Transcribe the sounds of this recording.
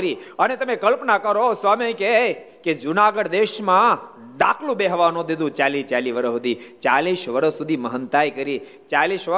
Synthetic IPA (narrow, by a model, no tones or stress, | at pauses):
ɾi | ənet̪əmekəlpnakəɾosʋamike | ked͡ʒunaɡəɽd̪eʃmã | d̪akʰlũbeɦʋanõd̪id̪ũt͡ʃalit͡ʃaliʋəɾəɦud̪it͡ʃaliʃʋəɾəsud̪ʱiməɦənt̪ajkəɾi | t͡ʃaliʃʋə